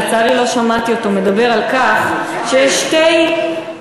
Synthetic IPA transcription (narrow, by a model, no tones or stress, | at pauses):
t͡saʁilo̞ʃamat̪io̞to̞me̞dabe̞ʁalkaχ | ʃejeʃtej